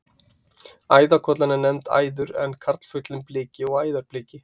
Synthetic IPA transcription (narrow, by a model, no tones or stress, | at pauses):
aːjðakʰɔt̪lanɪnɛmt̪a̰ːjðʏɾɛ̰nkʰaɾt̪l̥fʏt̪lɪmplɪːcɪɔɣaːjðaɾplɪːcɪ